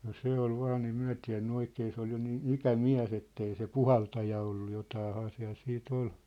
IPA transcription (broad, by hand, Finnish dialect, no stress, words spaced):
no se ol ʋɑːn ei myæ̝ tiæ̝nːy oikeː se ol jo niːn ikæmiæ̝s etːei se puhɑltɑjɑ olːu jotɑːhɑː siæ̝l siːt ol